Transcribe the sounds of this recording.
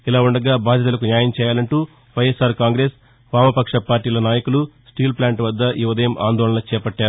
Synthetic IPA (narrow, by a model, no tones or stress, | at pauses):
ilaːuɳɖɐɡaːbʱaːd̪ʱjɐt̪ɐlɐkunjaːjɐmt͡ʃɛːjaːlɐɳʈuː | ʋɐjesaːɾkaːŋɡɾe̞ːs | ʋaːmɐpɐkʂɐpaːɾʈiːlɐnaːjɐkulusʈiːlplaːɳʈʋɐd̪ːɐʔjʔuʋɐd̪ɐjɐmʔa̰ːnd̪ɔːɭɐnɐt͡ʃɛːpɐʈːaːɾu